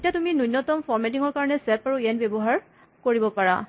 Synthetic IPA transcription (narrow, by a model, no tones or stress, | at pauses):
etiatuminunːɔtɔmfʰɔɹmɛtiŋɔɹkaɹɔnɛsɛpaɹuɛnbebɔɦaɹ | koɹibɔpaɹa̰